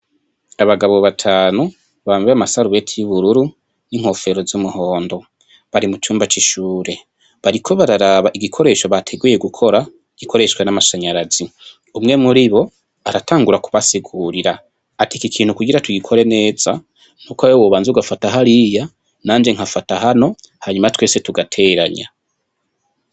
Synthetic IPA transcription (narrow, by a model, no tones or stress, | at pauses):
aβaɡaβo̞βatʰaːnu | βaːmveamasaɾuβe̞tʰijuβuɾuɾu | niŋ̥ho̞fe̞ɾo̞zumuho̞ːndo̞ | βaɾimut͡ʃuːmbat͡ʃiʃuːɾe̞ | βaɾikʰo̞βaɾaɾaβaʔiɡikʰo̞ɾe̞ːʃo̞βatʰe̞ɡuje̞ɡukʰo̞ɾa | ɡ̥ikʰo̞ɾe̞ʃkwenamaʃaɲaɾazi | umŋe̞muɾiβo̞ | aɾataːŋɡuɾakuβasiɡuɾiɾa | atikikʰiːn̥hukuɡiɾatuɡikʰo̞ɾe̞ne̞ːz̥a | nukwajowoːβaːnzuɡafataɦaɾija | naːnd͡ʒe̞ŋ̥hafatahano̞ | haɲumatwe̞ːse̞tuɡatʰe̞ːɾa̰ɲa̰